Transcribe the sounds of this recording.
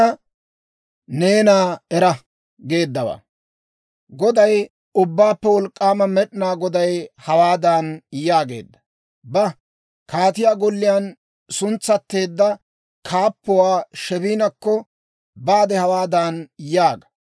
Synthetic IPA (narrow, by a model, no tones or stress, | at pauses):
ɐ | ne̞ːnaːɛɾɐ | ɡe̞ːd̪ːɐwa̰ | ɡɔd̪ɐj | ʊbːaːpːɛwɔlkʼːaːmɐmɛɗɪnaːɡɔd̪ɐjhɐwaːd̪aːnjaːɡe̞̰ːd̪ːɐ̥ | bɐ | kʰaːt̪ɪjaːɡɔlːɪjaːn | sʊnt͡sːɐt̪ːe̞ːd̪ːɐ | kʰaːpːʊwaːʃɛbiːnɐkːɔ | baːd̪ɛhɐwaːd̪aːnjaːɡɐ̥